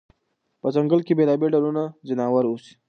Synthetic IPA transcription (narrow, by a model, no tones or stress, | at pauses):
pəzəŋɡəlkibeːlaːbeɖalunazinaːwəɾusi̥